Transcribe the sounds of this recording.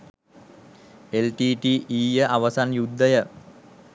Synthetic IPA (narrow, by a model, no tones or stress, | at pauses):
elʈiːʈiːʔiːjəʔaʋəsanjud̪ːəjə